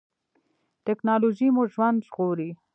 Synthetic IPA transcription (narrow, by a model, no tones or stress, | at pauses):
ʈɪknɑloʒimoʒwand̪ʒɣoɾi